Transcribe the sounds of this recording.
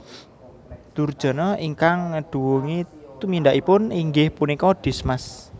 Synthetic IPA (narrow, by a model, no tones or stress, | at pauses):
d̪̥urd̥ʒ̥ɔ̤nɔiŋkaŋəɖ̥ṳwuŋit̪umindaʔipʊniŋɡɪhpunikɔɖ̪̥i̤smas